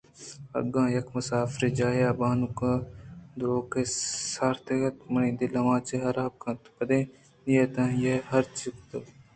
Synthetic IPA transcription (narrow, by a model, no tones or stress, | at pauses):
ɐ̰ɡãːjɐkmɐsaːfɾed͡ʒaːeaːbaːnukãd̪ɾoːkesaːɾt̪ekɐt̪mɐnĩːd̪ilɐʋãːt͡ʃeɦɐɾaːb̚kãːt̪pɐd̪ẽː | nijeːt̪ãːjehɐɾt͡ʃik̚t̪o